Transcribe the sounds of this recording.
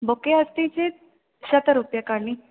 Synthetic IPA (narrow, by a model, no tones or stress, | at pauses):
bokeəst̪it͡ɕẽt̪̚ | ɕət̪aɾupjakaɾnĩ